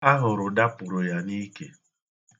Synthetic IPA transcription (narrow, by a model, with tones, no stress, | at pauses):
a˦ɦʊ˨ɾʊ˨da˦pʊ˨ɾʊ˨ja˨niː˦kḛ˨